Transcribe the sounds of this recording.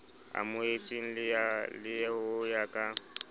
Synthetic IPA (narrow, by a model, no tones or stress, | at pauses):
a̰mʊet͡ʃʼiŋ̩lɪalɪjɛʊjakʼa